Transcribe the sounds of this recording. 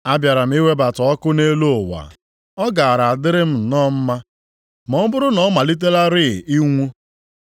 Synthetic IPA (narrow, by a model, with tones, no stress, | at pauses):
a˦bja˨ɾa˨m̩˦i˦we˦ba˨tɔ˨ɔ˦kʊ˦ne˦lo˦o˨wa̰˨ | ɔ˦ɡa˨a˨ɾa˨a˨dɪ˦ɾɪ˦m̩˦˨nɔ˦m̩˦ma˦ | mɔ˨˦m̩˦bʊ˦ɾʊ˦nɔ˦ma˨li˦t̬e˦la˦ɾɪ˦˨i˦ŋʷu˦